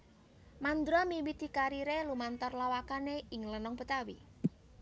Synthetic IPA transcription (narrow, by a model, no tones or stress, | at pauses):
mand̪ɾɔmiwid̪̥i̤kaɾiɾelumant̪ɔrlawakaneɪŋlənɔŋpət̪awḭ